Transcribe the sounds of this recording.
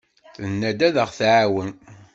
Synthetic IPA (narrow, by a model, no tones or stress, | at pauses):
θənːæd̪æðəʁθʕawən